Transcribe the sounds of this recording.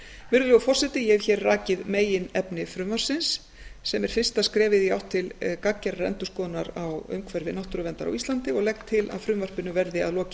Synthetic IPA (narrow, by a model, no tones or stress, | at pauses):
mʏɾɣʏlɛɣʏfɔr̥sɛt̪ɪjɛvçɛːrraːcɪðmeːjɪnɛpnɪfɾʏmvar̥sɪnsː | ɛmɛɾ̥fɪr̥st̪askɾɛːvɪðiawht̪ʰːɪlkacːɛɾrɛ̰nt̪ʏskɔːðnaɾawʏ̰mkʰvɛɾvɪnaht̪ʏɾʏvɛnt̪aɾa̰wist̪lant̪ɪɔɣlɛxt̪ʰːɪla̰ðfɾʏmvar̥pɪnʏvɛɾðɪa̰ðlɔːcɪ̥